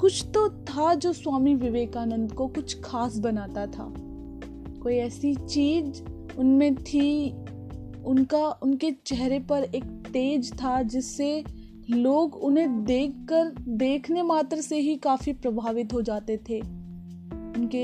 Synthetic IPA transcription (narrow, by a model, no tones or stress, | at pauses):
kʊt͡ʃʰt̪ot̪ʰad͡ʒoːswaːmiʋɪʋeːkaːnə̃nd̪kokʊt͡ʃʰkʰaːs̬bɐnaːt̪at̪ʰa̰ː | koːiɛːsit͡ʃiːd͡ʒ | ʊnmẽt̪ʰi | ʊnkaʔʊnket͡ʃɛɦɾepɐɾeːk̚t̪eːd͡ʒt̪ʰad͡ʒɪsːe | loːɡʊnɦẽd̪eːkːəɾd̪eːkʰnemaːt̪ɾseɦikaːfipɾɐbʱaːʋɪt̪ɦod͡ʒaːt̪et̪ʰeː | ʊnke